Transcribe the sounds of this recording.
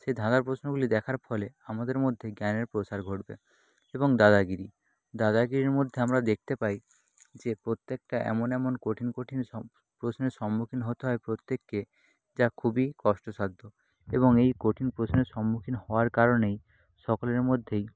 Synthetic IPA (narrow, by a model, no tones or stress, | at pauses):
ʃed̪ʱãd̪aɾpɾosnoɡulid̪ɛkʰaɾpʰɔleamad̪eɾmod̪ʱːeɡaneɾpɾosaɾɡʱoʈbḛ | eboŋd̪ad̪aɡiɾi | d̪ad̪aɡiɾiɾmod̪ʱːeamɾad̪ek̚ʰt̪epaj | d͡ʑepɾot̪ːek̚ʈaʔɛ̰monɛmonkoʈʰinkoʈʰin | pɾosneɾʃɔmːukʰinɦot̪eɦɔepɾot̪ːekːe | d͡ʒakʰubikɔsʈosad̪ʱːo | eβoŋejkoʈʰinpɾosneɾʃɔmːukʰinhɔoaɾkaɾonej | ʃɔkoleɾmod̪ʱːej